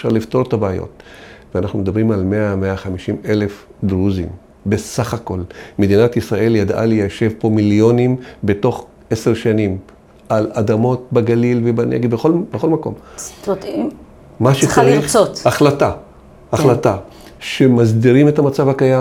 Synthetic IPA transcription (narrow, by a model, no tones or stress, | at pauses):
efʃa̰ʁlifto̞ʁt̪abeajo̞̰t̪̚veanaχnumed̪abʁimalmeameaχamiʃimele̞fd̪ʁuzḭm | be̞saχako̞lmedinat̪isʁaʔe̞ljad̪a̰lejaʃe̞vpo̞miljo̞nimbe̞to̞χ | ese̞ʁʃanim | ʔalad̪amo̞t̚baɡalilvebanḛɡbeχolbexo̞lmako̞̰mot̪i | maʃet͡saʁiχotaχlata | aχlata | ʃemazd̪iʁimet̪amat͡savhakaja